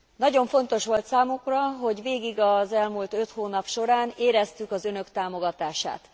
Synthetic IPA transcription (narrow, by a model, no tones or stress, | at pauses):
nɒɟo̞ɱfo̞n̪t̪o̞ʃʋo̞lt̪saːmukrɒɦo̞ɟʋeːɡiɡɒzɛlmult̪ø̞t̪hoːnɒpʃo̞ɾaːneːɾɛst̪ykɒzønø̞kt̪aːmo̞ɡɒt̪aːʃa̰ːt̪